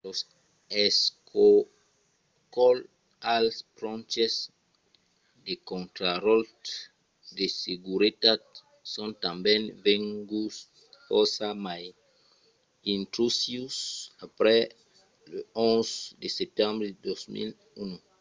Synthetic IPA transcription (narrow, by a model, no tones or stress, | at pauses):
los | eskʰo | kɔl | alspɾɔ̃nt͡ʃes | d̪ekõnt̪ɾaɾɔlt | d̪eseɡuɾit̪ad̚ | sɔ̃nt̪ãmbɛ̃nvẽŋɡus | ɔsamaj | ĩnt̪ɾusjusapɾɛ | leɔ̃nzd̪esep̚t̪ɛ̃mbɾed̪osmḭl | unu